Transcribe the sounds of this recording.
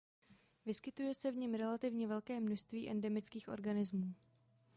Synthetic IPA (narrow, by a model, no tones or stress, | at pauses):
vɪskɪt̪ujɛsɛvɲɛmɾɛlat̪ɪvɲɛvɛlkɛːmno̞ʃst̪viːʔɛndɛmɪt͡skiːxʔo̞̰ɾɡanɪzmuː